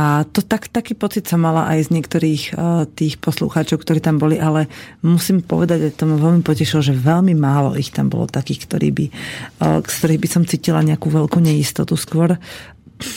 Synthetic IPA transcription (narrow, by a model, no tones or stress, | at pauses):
ʔat̪ɔt̪akt̪akiːpɔt͡sit̪sɔmːala̰ʔajzɲɪɛkt̪ɔɾiːxt̪iːxpɔslṵxaːt͡ʃɔʊkt̪ɔɾiːt̪ambɔliʔalɛmusiːmpɔ̰ʋɛd̪aɟat̪ɔmaʋɛlmipɔcɛʃilɔʒɛʋɛlmimaːlɔ̰ʔixt̪ambɔ̰lɔ̰t̪akiːxkt̪ɔɾḭːbi | kst̪ɔɾiːɣbisɔmt͡siːcila̰ɲɛakuʋɛlkuɲɛist̪ɔt̪uskʊɔɾ